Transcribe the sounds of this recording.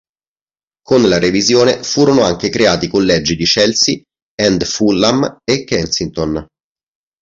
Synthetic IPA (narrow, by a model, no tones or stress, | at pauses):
konlaɾevizjoːnefuːɾonoaŋk̟ekɾeaːt̪ikolːɛd͡ʒːid̪it͡ʃɛlsi | ɛnd̪fulːamekːɛlsint̪on